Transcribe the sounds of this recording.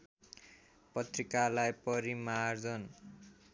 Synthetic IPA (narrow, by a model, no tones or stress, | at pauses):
pʌt̪rikalajpʌɾimard͡zʌn